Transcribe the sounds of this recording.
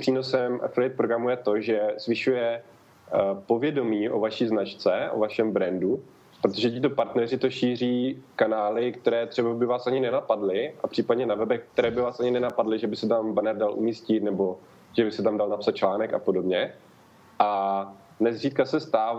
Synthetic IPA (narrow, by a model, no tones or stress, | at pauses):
pr̥iːno̞sɛmɛflɪt̪̚pɾoɡɾamujɛt̪o̞ʒɛzvɪʃujɛ | po̞vjɛdo̞miːʔo̞̰vaʃiːznat͡ʃt͡sɛʔo̰vaʃɛmbɾɛndu | pɾot̪oʒɛcɪt̪o̞paɾt̪nɛrɪt̪o̞ʃiːriːkanaːlɪkt̪ɛɾɛːt̪r̝̥ɛbabɪvaːsʔaɲɪnɛnapadlɪʔapr̥iːpadɲɛnavɛbɛk̚t̪ɛɾɛːbɪvaːsʔaɲɪnɛnapadlɪʒɛbɪsɛt̪ambanɛɾdalʔṵmiːscɪt̪nɛbo̞ | ʒɛbɪsɛt̪amdalnapsat̪̚t͡ʃlaːnɛka̰po̞do̞bɲɛ | ʔa | nɛzriːt̪̚kasɛst̪aːv